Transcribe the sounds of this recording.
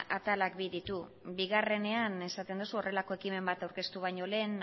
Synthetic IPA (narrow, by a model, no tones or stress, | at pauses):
at̪alak̚biðit̪u | βiɣ̞are̞ne̞ane̞sat̪e̞nd̪usuo̞rʔe̞lako̞e̞kime̞mbat̪awɾke̞st̪uβajɲo̞le̞ːn